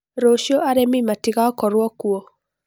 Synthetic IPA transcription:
ɾoʃjɔʔaɾemimatiɣaɔkɔɾwɔkuɔ

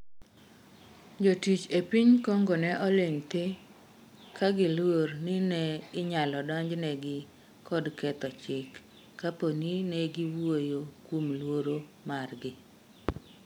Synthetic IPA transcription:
d͡ʒotit͡ʃepiɲkɔŋɡɔnɛʔɔleŋt̪e | kʰaɡɪlwornɪnɛɪɲalɔdɔɲd͡ʒnɛɡɪ | kʰɔdkɛt̪ɔt͡ʃɪkː | aponinɛɡɪwojokwomlwoɾomarɡɪ

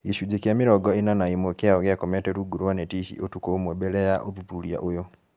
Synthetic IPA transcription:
iʃud͡ʒekjamiɾɔɡɔinanaimokjaoɣeakometeɾuɡuɾwanetiçḭʔotukomwebelejaʔoðupulija̰ʔojo

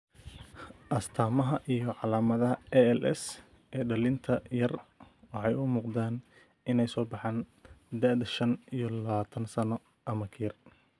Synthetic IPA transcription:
ʔɐst̪ʰaːmɐɦɐʔijɔʕɑlaːmɐðɐɦɐɛɛlʔɛ̰s | ʔɛːɖɐlɪnt̪ʰɐjɐrwɑħɑjʊmuːqd̪aːn | ɪnɛjsɔːbɑħaːnd̪ɐd̪ɐʃɐnijɔlɐβaːt̪ʰɐnsɐnɔ | ʔɐmɐkʰir

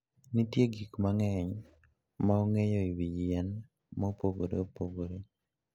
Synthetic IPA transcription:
nitjeɡikmaŋɛɲ | maoŋejɔiwijiɛn | mɔpoɡoɾeopoɡoɾe

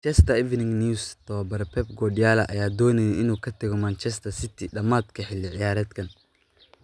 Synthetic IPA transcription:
t͡ʃɛst̪ʰɐɛvnɪŋnust̪ʰɐwɐbɐɾɛpʰɛbɡɔːɖɪjaːlɐʔɐ̰jaːd̪ɔːnɛjɛɪnuːkʰɐt̪ʰɐɣɔmant͡ʃɛst̪ʰɐsɪt̪ʰiɖɐmaːd̪kʰɐħɪlːɪʕɪjaːɾɐːd̪kʰɐn

